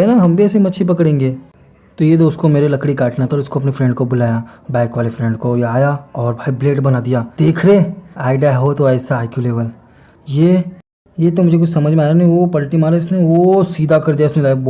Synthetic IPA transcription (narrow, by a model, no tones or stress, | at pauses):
ɦenaɦɐmbʱiɛːsemɐʃʰipɐkɽẽːŋɡeː | t̪ojed̪oːst̪komeːɾelɐkɽikaːʈnat̪ɔːɾɪskoɐpnefɾɛ̃ɳɖkobʊlaːjabɛːkʋaːlefɾɛ̃ɳɖkoaːjaɔːɾbʱaːibleːʈbɐnad̪ijaːd̪̥eːkʰɾeːaːɪɖaɦɦot̪oɛːsaaːkjuleːbəl | je | jet̪omʊd͡ʒʱekʊt͡ʃʰsɐməd͡ʒʱmẽaːjɾeniʋopɐlʈimaːɾeɪsneʋosiːd̪akɐɾd̪ijaɪsnelaːb